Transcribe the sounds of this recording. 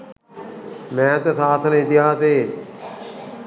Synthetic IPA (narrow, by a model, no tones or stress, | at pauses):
mɛ̃ːt̪esaːt̪ʰnɪt̪ɪɦaːseː